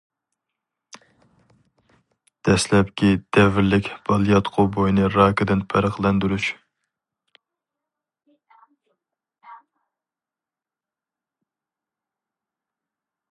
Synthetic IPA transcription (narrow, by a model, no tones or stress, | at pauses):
d̪̥ɛslɛp̚kʲid̪̥ɛvɪɾlɪkʲb̥ɑlˠjɑt̪qʰobojnɨɾɑːkɨd̪ɪnpʰɛɾəqlˠɛnd̪uɾuʃ